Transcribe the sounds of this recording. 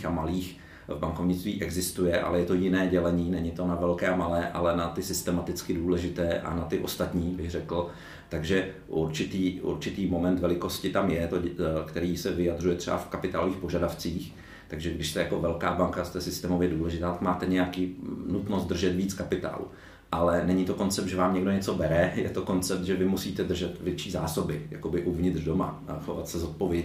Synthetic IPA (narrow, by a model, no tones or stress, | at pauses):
amaliːx | vbaŋkovɲɪt͡st̪viːʔɛɡzɪst̪ujɛʔa̰lɛjɛt̪o̞jɪnɛːɟɛlɛɲiːnɛɲɪt̪o̞navɛlkɛːamalɛːʔalɛnat̪ɪsɪst̪ɛmat̪ɪt͡skɪduːlɛʒɪt̪ɛːʔa̰nat̪ɪʔost̪at̪ɲiːbɪɣrɛkl̩ | t̪aɡʒɛ | ʔuɾt͡ʃɪt̪iːʔṵɾt͡ʃɪt̪iːmomɛnt̪vɛlɪko̞scɪt̪amjɛt̪okt̪ɛɾiːsɛvɪjad̪r̝ujɛt̪r̥ɛa̰fkapɪt̪a̰ːloviːxpo̞ʒadaft͡siːx | t̪aɡʒɛɡdɪʃst̪ɛjako̞vɛlkaːbaŋkast̪ɛsɪst̪ɛːmovjɛduːlɛʒɪt̪aːt̪akmaːt̪ɛɲɛjakiːnut̪nost̪d̪r̩ʒɛt̪viːt͡skapɪt̪a̰ːlṵ | ʔalɛnɛɲɪt̪o̞ko̞nt͡sɛpt̪ʒɛvaːmɲɛɡdo̞ɲɛt͡so̞bɛɾɛjɛ̰t̪o̞ko̞nt͡sɛp̚t̪ʒɛvɪmusiːt̪ɛd̪r̩ʒɛt̪vjɛt͡ʃiːzaːso̞bɪja̰kobɪʔuvɲɪt̪r̥do̞ma̰xovat̪sɛzot̪̚po̞vjɛ